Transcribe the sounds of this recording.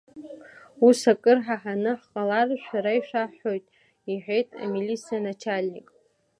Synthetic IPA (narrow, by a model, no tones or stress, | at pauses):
usakʼɨrħaħanɨħqʼalarʃʷᶣaɾaiʃʷᶣaħo̞jtʼ | iħᶣʷe̞jtʼa̰milisianat͡ʃʰalʲnḭkʼ